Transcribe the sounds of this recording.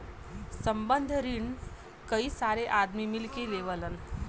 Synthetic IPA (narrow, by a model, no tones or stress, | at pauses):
səmbənd̪ʱəɾiɳ | kəiːsaɾeʔad̪mimilkeleʋələn